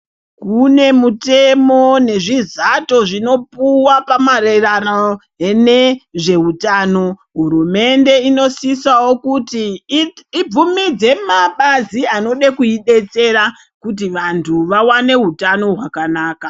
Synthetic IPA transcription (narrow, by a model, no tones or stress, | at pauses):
kune̞mute̞mo̞ne̞ʐizato̞ʐino̞puwapamarerano | eneʐe̞utaːno̞ɦuɾume̞nde̞ino̞sisawo̞kutiː | b͡vumid͡ze̞maɓaziano̞ɗekuiɗe̞t͡se̞ɾa | kut̬iʋantʰuʋawane̞ɦutano̞ɦwakanaːka